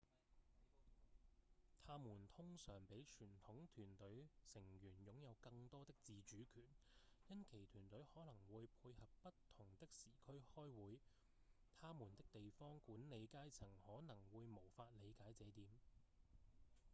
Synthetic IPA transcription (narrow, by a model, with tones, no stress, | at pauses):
t̪ʰaː˥muː˨˩nt̪ʰʊ˥ŋsœː˨˩ŋpe˨˥jt͡ʃʰyː˨˩nt̪ʰʊ˨˥ŋt̪ʰyː˨˩nt̪ɵ˨˥ɥsɪ˨˩ŋjyː˨˩njʊ˨˥ŋjɐ˨˧wkɐ˧ŋt̪ɔː˥t̪ɪ˥k̚t͡siː˨t͡ʃyː˨˥kʰyː˨˩njɐ˥nkʰe˨˩jt̪ʰyː˨˩nt̪ɵ˨˥ɥhɔː˨˥lɐ˨˩ŋwuː˨˧jpʰuː˧jhɐ˨p̚ːɐ˥tt̪ʰʊ˨˩ŋt̪ɪ˥k̚siː˨˩kʰɵ˥ɥhɔː˥jwuː˨˥j | t̪ʰaː˥muː˨˩nt̪ɪ˥k̚t̪e˨jfɔː˥ŋkuː˨˥nle˨˧jkaː˥jt͡sʰɪ˨˩ŋhɔː˨˥nɐ˨˩ŋwuː˨˧jmo˨˩wfaː˧t̚le˨˧jkaː˨˥jt͡sɛː˨˥t̪iː˨˥m